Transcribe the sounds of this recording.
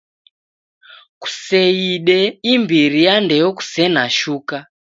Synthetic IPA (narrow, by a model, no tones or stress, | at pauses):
ku̥sɛiɗɛimbiɾijandɛjɔku̥sɛnaʃuːka